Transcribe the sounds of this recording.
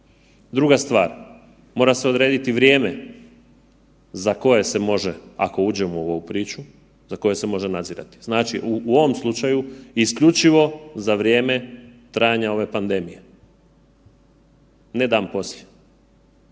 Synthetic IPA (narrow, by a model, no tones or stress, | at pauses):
d̪ɾuɡast̪ʋaːɾ | mo̞ːɾase̞o̞d̪ɾeːd̪it̪iʋɾje̞ːme | zako̞je̞semo̞ʒea̰ko̞uːd͡ʑemooʋoupɾiːt͡ʃu | zako̞je̞semo̞ʒenad̪ziɾa̰t̪i̥z̥naːt͡ʃiʔuuoʋo̞mslˠut͡ʃajuiskʎut͡ʃiʋo̞zaʋɾje̞ːme̞t̪ɾaːjaɲao̞ʋe̞pand̪e̞mije̞ | ned̪aːmpo̞slʲe̥